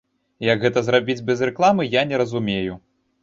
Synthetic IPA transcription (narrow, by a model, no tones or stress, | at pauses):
jɐɡɣɛt̪ɐzrabʲid͡zʲbʲɛzrɛklˠamɨjanʲɛɾɐzumʲeju